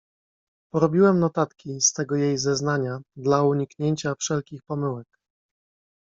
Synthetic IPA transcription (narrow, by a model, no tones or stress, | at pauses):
pɔɾɔbʲiwɛmnɔt̪at̪kʲist̪ɛɡɔjejzɛznaɲad̪lauɲikɲeɲt͡ɕafʂɛlkʲixpɔmɘwɛk